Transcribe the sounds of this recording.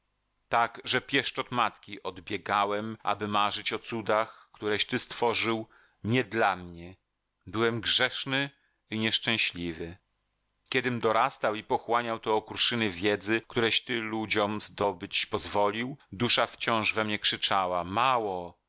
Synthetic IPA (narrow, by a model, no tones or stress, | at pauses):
t̪aɡʐɛpʲjɛʂt͡ʂɔt̪mat̪kʲiʔɔd̪bʲjɛɡawɛmʔa̰bɘmaʐɘt͡ɕɔt̪sud̪axkt̪uɾɛɕt̪ɘst̪fɔʐɘw | ɲɛd̪lamɲɛ | bɘwɛmɡʐɛʂnɘ | iɲɛʂt͡ʂɛ̃w̃ɕlʲivɘ | kʲɛd̪ɘmd̪ɔɾast̪awipɔxwaɲawt̪ɔːkuɾʂɘnɘvʲjɛd̪zɘkt̪uɾɛɕt̪ɘlud͡ʑɔmzd̪ɔbɘt͡ɕpɔzvɔlʲiwd̪uʂaft͡ɕɔ̃w̃ʐvɛmɲɛkʂɘt͡ʂawamawɔ